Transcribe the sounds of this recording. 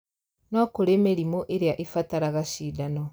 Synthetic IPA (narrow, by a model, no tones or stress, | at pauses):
nɔkoɾemeɾimoʔeɾeaʔefataɾaɣaʃiːdanɔ